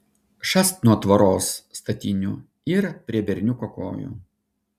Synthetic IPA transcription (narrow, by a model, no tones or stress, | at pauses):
ʃɐst̪nuɔt̪ʋɐɾoːsːt̪ɐt̪ʲɪnʲu | ɪɾpʲɾʲiɛbʲɛɾʲnʲukɔko̰ːjṵ